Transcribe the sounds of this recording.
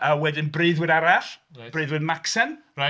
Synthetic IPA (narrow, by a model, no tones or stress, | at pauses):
əwɛdɪnbrɨɨðwɪdaɾaɬrɨðwɨdmaksən | ra